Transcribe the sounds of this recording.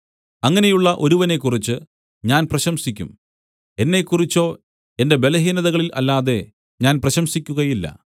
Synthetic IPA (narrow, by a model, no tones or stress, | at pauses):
ɐŋːɐne̞juɭːɐʔo̞ɾuʋɐne̞kːurit͡ɕːɨ | ɲaːnprɐɕɐmsikʲːṵm | e̞nːe̞kːurit͡ɕːo̞ː | e̞nde̞be̞lɐɦiːnɐðɐɣɐɭilʔɐ̰lːaːðe̞ | ɲaːnprɐɕɐmsikʲːuɣɐjilːɐ̰